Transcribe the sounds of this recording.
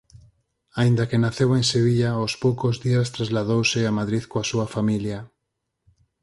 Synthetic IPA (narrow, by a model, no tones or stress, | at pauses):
aĩnd̪ɐkenaθeweŋseβ̞iʎaospowkozðiɐst̪ɾazlaðowsɪamaðɾiðkoasuɐfamiljɐ